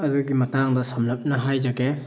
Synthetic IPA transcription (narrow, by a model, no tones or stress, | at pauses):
ɐduɡimɐtaŋdɐsamlɐp̚nɐɦajzaɡe